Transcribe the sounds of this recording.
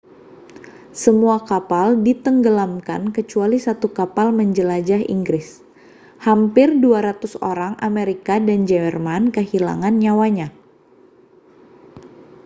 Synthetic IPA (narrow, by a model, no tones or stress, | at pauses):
səmuakapaldit̪əŋɡəlamka̰nkət͡ʃualisat̪ukapalməɲd͡ʒəlad͡ʒaɦḭŋɡɾɪs | hampɪrduaɾat̪uso̰ɾaŋʔameɾikadand͡ʒɛrmankəɦila̰ŋanɲawaɲa